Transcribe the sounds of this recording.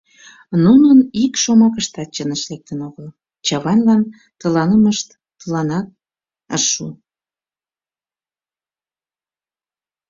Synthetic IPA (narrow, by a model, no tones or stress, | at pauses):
nunənikʃomɑkəʃt̪ɑt̪̚t͡ɕənəʃlek̚t̪ənoɣəl | t͡ɕɑβɑnlɑn | t̪əlɑnəməʃt̪ | əlɑnɑt̪̚ | ə̰rʃu